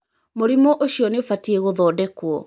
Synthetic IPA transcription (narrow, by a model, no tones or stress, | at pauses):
moɾimɔʔoɕiɔneofatieɣoðɔːdɛkwɔ